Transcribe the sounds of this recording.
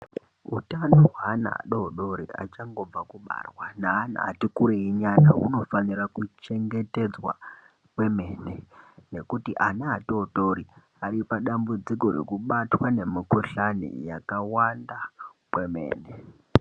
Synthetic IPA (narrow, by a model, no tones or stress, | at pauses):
ṵtanoɦwaːna̰a̰ɗo̞ɗo̞ɾiʔa̰t͡ʃaŋɡo̞b͡vakuɓa̰rwanaːna̰ːtikuɾeiɲana̰ṵno̞fanirakut͡ʃe̞ŋɡe̞te̞d͡zwa̰ | kwe̞me̞ːnene̞kutiʔanaːtoɗo̞ɾi | aɾipaɗambud͡ziko̞ɾe̞̰kuɓatwane̞mikuɬanḭja̰kawandakwe̞me̞̰ːne